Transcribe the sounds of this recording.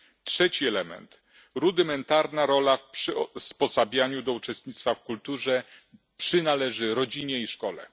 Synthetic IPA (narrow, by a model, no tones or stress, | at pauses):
tʂɛt͡ɕiɛlɛmɛ̰nt̪ | ɾud̪ɘmɛnt̪aɾnaɾɔlafʂspɔsabʲjaɲud̪ɔut͡ʂɛst̪ɲit̪st̪fafkult̪uʐɛ | pʂɘnalɛʐɘɾɔd͡ʑiɲɛiʂkɔlɛ̰